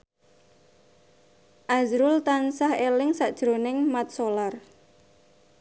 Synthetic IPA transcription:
ʔazɾʊlt̪ansahelɪŋsaʔd̥ʒ̥ɾonɪŋmat̪̚solar

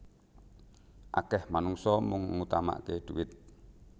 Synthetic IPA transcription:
ʔa̰kɛhmanuŋsɔmʊŋŋut̪ama̰ʔkeɖ̪̥uwɪt̪̚

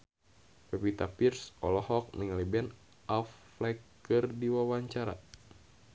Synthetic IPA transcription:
pɛpit̪apirsɔlɔhɔk̚niŋalibɛn | ʔaf | lɛkː | ɨrdiwawaɲt͡ʃaɾa̰

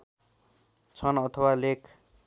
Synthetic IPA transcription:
t͡sʰʌnʌt̪ʰʌwalekʰ

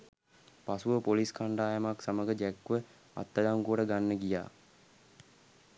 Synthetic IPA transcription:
pasuʋəpoliskʰaɳɖaːjəmaksaməɡəd͡ʒɛkːʋə | a̰t̪ːəd̪aŋkuəʈəɡanːəɡija̰ː

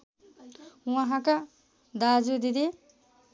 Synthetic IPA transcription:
wãɦãka | d̪ad͡zud̪id̪i

